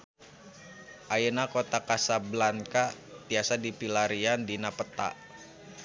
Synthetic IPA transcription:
ʔajənakot̪akasablankabiasadipilaɾiandinapət̪a̰ʔ

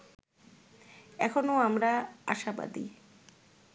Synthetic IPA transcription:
ɛkʰonoamɾaa̰ʃaba̰d̪ḭ

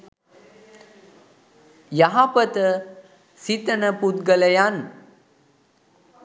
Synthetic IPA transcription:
jaɦapət̪ə | sit̪ənəput̪̚ɡələjan

